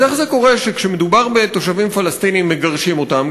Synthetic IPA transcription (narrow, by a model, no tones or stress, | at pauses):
aχzeko̞ʁe̞ʃekʃemed̪ubaʁbe̞t̪o̞ʃavimfalast̪inimːeɡaʁʃimo̞t̪am